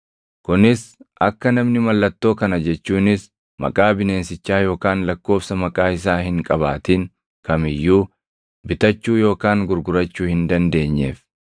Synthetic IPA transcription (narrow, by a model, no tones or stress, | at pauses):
kʊnɪsʔɐkːɐnɐmnɪmɐlːɐt̪ːo̞ːkɐnɐd͡ʒɛt͡ʃːuːnɪs | mɐ̰kʼaːbɪne̞ːnsɪt͡ʃːaːjo̞ːkaːnlɐkːo̞ːfsɐmɐkʼaːɪs̬aːhɪŋkʼɐβaːt̪iːŋ | kɐmɪjːuː | bɪt̪ɐt͡ʃːuːjo̞ːkaːŋɡʊɾɡʊɾɐt͡ʃːuːhɪnd̪ɐnd̪e̞ːɲːḛːf